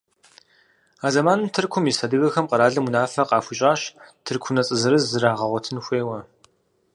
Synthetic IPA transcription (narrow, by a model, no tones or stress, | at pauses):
aːzɐmaːnɨmtʰɨrkʷʰʊmisɐdɨɣɐxɐmqɐɾaːɮɐmunaːfɐqɑːfʷʊɕʼaːɕtʰɨrkʷʰʊnɐt͡sʼɨzɨɾɨzzːɨɾaːʁɐʁʷɔtʰɨnxʷeːwɐ